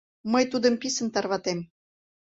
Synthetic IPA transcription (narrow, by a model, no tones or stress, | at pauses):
məjt̪ud̪ə̆mpisə̆nt̪ɑrβɑt̪em